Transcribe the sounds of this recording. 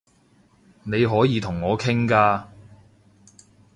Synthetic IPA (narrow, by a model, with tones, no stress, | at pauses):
ne˨˧jɦɔː˨˥jiː˨˧t̪ʰʊ˨˩ŋːɔː˨˧kʰɪ˥ŋkaː˧